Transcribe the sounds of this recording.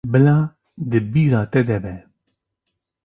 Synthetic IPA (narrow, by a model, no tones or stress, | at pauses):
bɨlɑː | d̪ɨbiːɾɑːt̪ɛd̪ɛbɛ